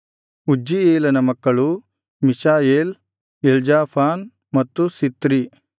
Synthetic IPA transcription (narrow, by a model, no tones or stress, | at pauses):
ud͡ʒːieːlɐnɐmɐkːɐɭu | misaːjeːl | eld͡ʒaːpʰaːn | mɐt̪ːusit̪ɾi